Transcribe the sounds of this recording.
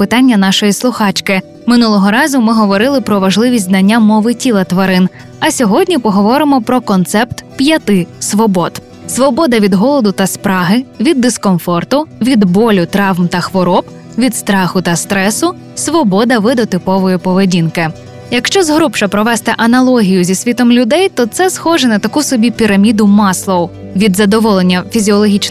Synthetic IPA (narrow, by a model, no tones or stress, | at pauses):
pɪt̪ɑnʲːɐnɑʃɔjislˠʊxɑt͡ʃkɪ | mɪnulˠɔɦɔɾɑzʊmɪɦɔʋɔɾɪlˠɪpɾɔʋɐʒlˠɪʋʲisʲznɐnʲːamɔʋɪtʲilˠɐt̪ʋɐɾɪn | ɐsʲɔɦɔdʲnʲipɔɦɔʋɔɾɪmɔpɾɔkɔnt̪sɛpt̪pjɐt̪ɪsʋɔbɔt̪ | sʋɔbɔd̪ɐʋʲid̪ɦɔlˠɔd̪ʊt̪ɐspɾɑɦɪʋʲid̪ːɪskɔmfɔrt̪ʊʋʲid̪bɔlʲʊt̪ɾɑʋmt̪ɐxʋɔɾɔp | ʋʲid̪st̪ɾɑxʊt̪ɐst̪ɾɛsʊ | sʋɔbɔd̪ɐʋɪd̪ɔt̪ɪpɔʋɔjʊpɔʋedʲinkɪ | jɐkʃt͡ʃɔzɦɾupʃɔpɾɔʋɛst̪ɛʔɐnɐlˠɔɦʲijʊzʲisʲʋʲit̪ɔmlʲʊd̪ɛjt̪ɔt̪sɛsxɔʒɛnɐt̪ɐkusɔbʲipʲiɾɐmʲid̪ʊmɑslˠɔw | ʋʲid̪zɐd̪ɔʋɔlˠenʲːɐfʲizʲiɔlˠɔɦʲit͡ʃ